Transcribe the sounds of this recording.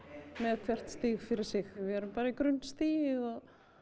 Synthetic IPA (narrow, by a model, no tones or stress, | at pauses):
mɛðkʰvɛr̥t̪st̪iːɣfɪɾɪɾ̥sɪxvɪɛɾʏmpaːɾaikɾʏnːst̪iːjɪɣɔð